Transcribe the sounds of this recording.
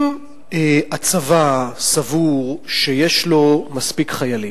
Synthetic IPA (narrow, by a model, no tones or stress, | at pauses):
m | eat͡savasavuʁʃejeʃlo̞maspikχajali